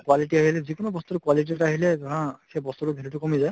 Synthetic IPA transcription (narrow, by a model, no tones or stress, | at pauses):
kwaliʈiaɦilɛzikɔnɔbɔst̪uɾʊkwalit̬iɛtaɦilɛzɔɹãsejbɔst̪utʊbʱilutʊkɔmizaj